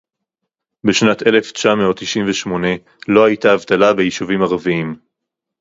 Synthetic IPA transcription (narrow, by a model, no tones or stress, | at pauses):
beʃnat̪e̞le̞ft͡ʃameot̪ːiʃimveʃmo̞ne̞ | lo̞hajt̪aːvt̪alabejiʃuvimaʁaviim